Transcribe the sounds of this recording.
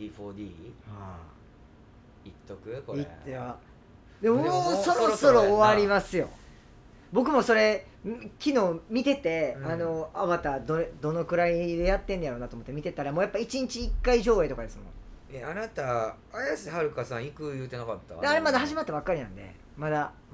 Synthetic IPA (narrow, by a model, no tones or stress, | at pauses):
d̪ʲiɸoːd̪ʲiːha | it̪ːokɯ̟koieɾa | d̪emooːso̞ɾoso̞ɾoːβaɾʲimasɨjo̞̰ | bo̞k̬ɯ̟mo̞so̞ɾe̞ | kʲino̞ːmʲit̪e̞t̪e̞ano̞aβat̪ad̪od̪o̞no̞kɯ̟ɾaid̪e̞jat̪ːend̪jaɾo̞ːnat̪oːmot̪ːemit̪e̞t̪aɾamoːjapːait͡ɕiɲ̟it͡ɕiːkːaiʑo̞ːet̪o̞kad̪e̞sɨmõ̞̰eanat̪a | ajasihaɾɯ̟kasãɰ̃ikɯ̟jɯ̟ːt̪e̞nakat̪ːa̰aɾe̞mad̪aɦaʑimat̪ːabakːaɾinã̰nd̪e̞̰ | mad̪a